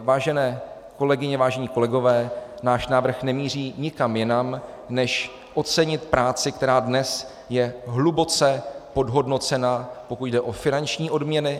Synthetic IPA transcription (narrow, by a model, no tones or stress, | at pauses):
vaːʒɛnɛː | ko̞lɛɡɪɲɛvaːʒɛɲiːko̞lɛɡo̞vɛːnaːʃnaːvr̩xnɛmiːr̝iːɲɪkamjɪnam | nɛʃ | ʔo̞tt͡sɛɲɪt̪pɾʔaːt͡sɪkt̪ɛɾaːdnɛs | jɛɦlubo̞t͡sɛpo̞dɦo̞dno̞t͡sɛnapo̞kuɟdɛʔo̞fɪnant͡ʃɲiːʔo̞dmɲɛnɪ